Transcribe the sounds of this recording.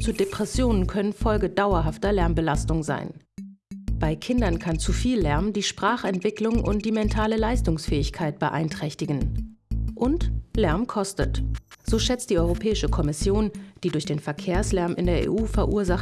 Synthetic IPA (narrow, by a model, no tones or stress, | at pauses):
t͡sudepʁ̥ɛsjoːnənkʰœnənfɔlɡədaʊɐɦaftɐlɛɐmbəlastʊŋza̰ɪn | b̥aɪkʰɪndɐnkʰant͡sufiːlːɛɐmdiːʃpʁ̥aːχɛntv̥ɪklʊŋʔʊ̰nt̚d̥iːmɛntʰaːləlaɪstʊŋsfɛːɪçkʰaɪt̚b̥əʔa̰ɪntʁ̥ɛçtɪɡn̩ | ʔʊntlɛɐmkʰɔstə̰tz̥oːʃɛt͡st̚d̥iːʔɔʏʁopʰɛːɪʃəkʰɔmɪsjoːnd̥iːdʊɐçd̥eːnfɛɐkʰeːɐslɛɐmʔɪndeːɐʔḛʔuːfɛɐʔuːɐzaχ